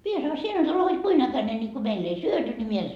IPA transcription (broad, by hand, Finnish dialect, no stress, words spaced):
mie sɑno sie nyt ole hod kuin ækæne nʲi ko meilː ei syøty ni mie en